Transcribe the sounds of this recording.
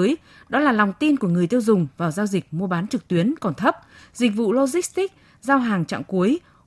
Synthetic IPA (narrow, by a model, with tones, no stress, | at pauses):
j | ɗɔ˨˦laː˨˩la˨˩wŋ͡mt̪i˧nku˧˩əŋɨ˨˩əjt̪i˧ə˧wzʊ˨˩ŋ͡mvaː˨˩wzaː˧wzï˨˩k̚mu˧əɓaː˨˦nt͡ɕɨ˨˩k̚t̪wi˨˦ənkɔ˨˩nt̪ʰə˦˥p̚zï˨˩k̟̚vṵ˧˨lo˧zi˦˥st̪ï˦˥k̚ | zaː˧wɦaː˨˩ŋt͡ɕa̰ː˧˨ŋku˨˦əj